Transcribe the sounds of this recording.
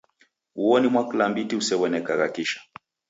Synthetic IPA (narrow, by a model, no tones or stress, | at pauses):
uɔnimwakulambitiusɛwɛnɛkakakiʃḁ